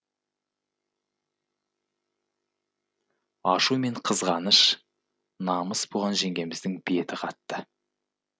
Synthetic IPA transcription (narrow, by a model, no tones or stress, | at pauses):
ɑʃume̞ɴqʰəzʁɑnəʃ | nɑməsbuʁɑnʒe̞ŋɡʲe̞mɪzd̪ɪŋbie̞t̪ɪqʰɑt̪ːə